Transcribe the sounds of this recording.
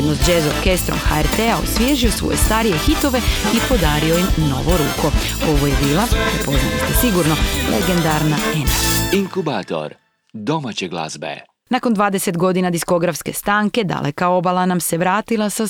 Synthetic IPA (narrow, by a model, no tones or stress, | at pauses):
d̪nosd͡ʒezoɾke̞st̪ɾo̞̰mxa̰eɾt̪eaosʋjeːʒio̞sʋo̰je̞st̪aɾije̞xit̪o̞ʋe̞ipo̞d̪aːɾio̞jimno̞̰ʋo̞ɾṵːkʰo̞ | o̞ʋo̞je̞biːlˠapɾepo̞zna̰lḭst̪esiɡuɾno̞lḛɡe̞nd̪aɾnaeniŋkubaːt̪o̰ɾ | d̪o̞mat͡ɕeɡlˠa̰zbḛ | nako̞nd̪ʋaːd̪e̞se̞t̪ɡo̞d̪inad̪isko̞ɡɾafske̞st̪aːŋke̞d̪a̰lʔe̞kao̞balˠanamse̞ʋɾaːt̪ilˠasa